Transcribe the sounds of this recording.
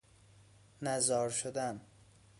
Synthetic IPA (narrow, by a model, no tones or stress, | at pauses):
næzɒːɾʃod̪æn